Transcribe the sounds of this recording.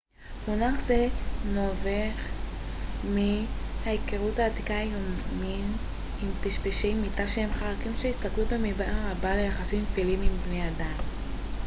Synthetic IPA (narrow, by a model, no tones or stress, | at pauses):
munaχzenoveχ | mihaekeʁuthaːt̪ikajomim | impiʃpeʃejmitaʃehemχaʁakimʃeist̪aklubemibaaʁabalejaχasimfilimimbnejad̪am